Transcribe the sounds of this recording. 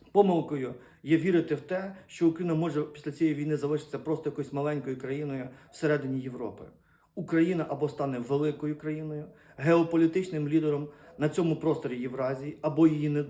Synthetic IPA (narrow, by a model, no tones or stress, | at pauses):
pɔmɪlˠkɔjʊ | jɛʋʲiɾɪt̪ɪwt̪ɛʃt͡ʃɔʊkɾɐinɐmɔʐɛpʲi̥sʲlʲɐt͡sʲiɛjiʋʲijnɪzɐlˠɪʃɪ̥t̪sʲɐpɾɔst̪ɔjɐkɔjsʲmɐlˠɛnʲkɔjʊkɾɐjinɔjʊw̥seɾɛd̪ɪnʲijeʋɾɔ̰pɪ̰ | ukɾɐjinɐʔɐbɔst̪ɑnɛʋelˠɪkɔjʊkɾɐjinɔjʊ | ɦeɔpɔlʲit̪ɪt͡ʃnɪmlʲid̪eɾɔmnɐt͡sʲɔmʊpɾɔst̪ɔɾʲijiʋɾɑzʲijiɐbɔjijinɛ